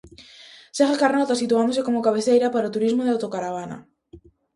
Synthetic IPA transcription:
seɣakaɾnɔt̪asit̪uand̪osekomokaβeθejɾapaɾaot̪uɾizmoðeawt̪okaɾaβ̞ana̰

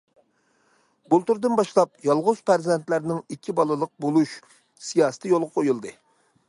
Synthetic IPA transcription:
bulˠt̪uɾd̪ɨnbɑʃlˠɑp̚jɑlˠʁʊzpæɾzɛnt̪læɾnɪŋikʲʰːibɑlˠɨlˠəq̚bolˠuʃ | sijɑːsɨ̥t̪ʰɨjolˠʁɑqʰojulˠd̪ɨ

